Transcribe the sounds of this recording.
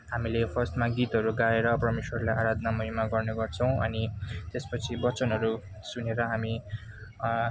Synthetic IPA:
ɦamilepʰʌrst̪maɡit̪ɦʌɾuɡaɾeɾʌprʌmeswʌrlajaɾad̪ʱnamʌɦimaɡʌrneɡʌrt͡sʰʌ̃w̃ʔʌ̰nit̪espʌt͡sʰibʌt͡sʌnɦʌɾu | suneɾʌɦami

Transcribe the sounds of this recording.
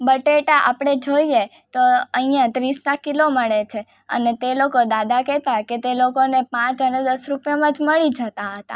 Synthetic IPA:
bəʈeʈaʔapɽ̃ed͡ʒoije | t̪oəɦijãt̪ɾisnakiloməɭet͡ʃʰe | ə̰net̪elokod̪ad̪ʱakɛt̪aket̪elokonepãt͡ʃəned̪əsɾupjamãd͡ʒməɭid͡ʒət̪aɦət̪a̰

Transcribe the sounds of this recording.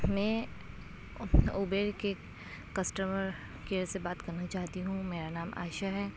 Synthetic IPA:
mɛ̃ː | ubeːɾke | kɐsʈəməɾ | keːɾsebaːt̪kɐɾnat͡ʃaːt̪iɦũmeːɾanaːmʔa̰ːʃəɦɛː

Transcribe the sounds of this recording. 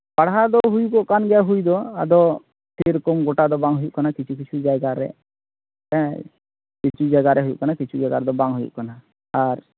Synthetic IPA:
pɐɽ̤ad̪ɔɦujukɔʔkanɡɛjaɦujd̪ɔad̪ɔ | p̪ʰiɾkɔmɡoʈad̪ɔbãŋɡɦujuʔkanakit͡ʃʰukit͡ʃʰud͡ʒajɡaɾɛ̰ | kɛ | kit͡ʃʰud͡ʒaɡaɾɛɦujṵʔkanakit͡ʃʰud͡ʒəɡaɾd̪ɔbaŋɦujṵʔkana | aɾ

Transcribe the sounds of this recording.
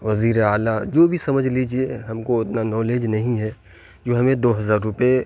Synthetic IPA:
ʋɐziːɾeaːlad͡ʒoːbʱisɐməd͡ʒʱliːd͡ʒieɦɐmkoɪt̪nanɔːleːd͡ʒnɐɦĩɦɛː | d͡ʒoːɦɐmẽd̪oːɦɐzaːɾːʊpe

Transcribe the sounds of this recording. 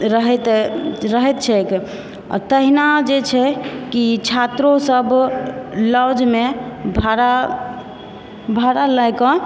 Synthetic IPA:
ɾəɦɛt̪ɾəɦɛt̪̚t͡ʃʰɛk | ɔ̰ɾt̪əɦinad͡ʒet͡ʃʰɛkit͡ʃʰat̪ɾosəb | ləd͡ʒmebʱaɾa | bʱaɾalajkɔ̃

